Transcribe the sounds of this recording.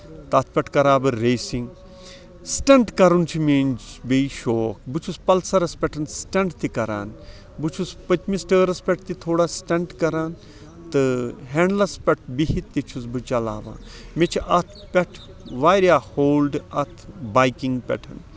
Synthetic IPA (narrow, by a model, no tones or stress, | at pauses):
t̪ɐt̪ʰpʲɛʈʰkɐɾaːbɨːeːsiŋɡ | sʈɐɳʈkɐɾunt͡ʃʰimeːnbeiʃoːkbɨt͡ʃʰuspɐlsɐɾɐspʲɛʈʰɐnsʈɐɳʈt̪ikɐɾa̰ːn | bɨt͡ʃʰuspɐt̪misʈəːɾɐspʲɛʈ̚ʰt̪it̪ʰoːɽasʈɐɳʈkɐɾaːn | t̪ɨɦeːɳɖlɐspʲɐʈʰbiɦit̪ːit͡ʃʰus̬bɨt͡ʃɐla̰ːʋa̰ːn | met͡ʃʰiʔɐt̪ʰpʲɛʈʰ | ʋaːɾjaːhoːlɖɐt̪ʰbaːjkiŋɡpʲɛ̰ʈʰɐ̰n